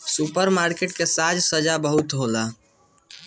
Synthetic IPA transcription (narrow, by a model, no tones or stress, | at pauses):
supəɾmaɾkeʈ̚kesad͡ʒsəd͡ʒabəɦut̪ɦola